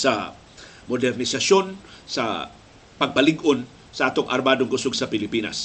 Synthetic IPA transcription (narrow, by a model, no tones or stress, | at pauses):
sɐ | mod̪ɛɾnɪsaʃonsɐ̰ | pɐɡ̚pɐlɪɡon | sɐʔat̪oŋʔɐ̰ɾbaːd̪oŋɡʊsoɡ̚sɐpɪlɪpiːna̰s